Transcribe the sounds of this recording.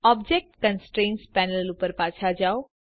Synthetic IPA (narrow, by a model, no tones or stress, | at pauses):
ɔbd͡ʒek̚ʈkənsʈɾẽːnspɛːnəlupəɾpaːt͡ʃʰad͡ʒaːo